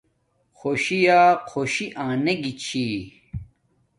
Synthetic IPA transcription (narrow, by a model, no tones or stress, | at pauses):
xoːɕijaːqʰoːɕiʔãːneɡit͡ɕʰi